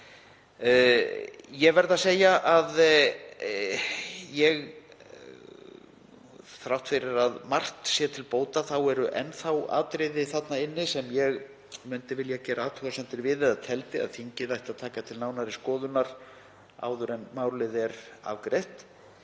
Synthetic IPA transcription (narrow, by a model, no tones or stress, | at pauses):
jɛɣvɛɾðaseːjaʔað | jɛɣ | θɾawht̪fɪɾɪɾaðmar̥t̪sjɛt̪ʰɪlpoːwt̪aθawɛɾʏʔɛnθawa̰ːt̪ɾɪjðɪθat̪naɪnːɪsɛmjɛɣ | mʏnt̪ɪvɪljacɛːɾʔaaːt̪ʰʏɣasɛnt̪ɪɾvɪðɪðaðt̪ʰɛlt̪ɪa̰ðθiɲcɪðajht̪aðt̪ʰaːkat̪ʰɪlnaːwnaɾɪskɔːðʏnaɾ̥ | a̰ːwðʏɾɛnmaːwɾlɪðɛɾa̰vkɾejht̪